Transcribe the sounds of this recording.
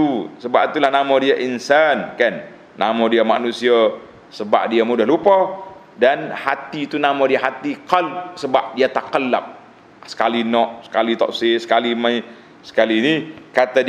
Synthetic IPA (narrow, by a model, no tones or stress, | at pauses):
usəbapt̪ulahnamɔdiaʔinsankanː | a̰mɔdiama̰nusia | səba̰p̚diamudahlupɔ | danhat̪it̪unamadiaɦat̪ikəlsəbap̚diat̪akəlap̚ | sə̥kalinɔʔsə̥kalit̪ɔ̰ʔsɪsə̥kalimai | sə̥kalinikat̪ad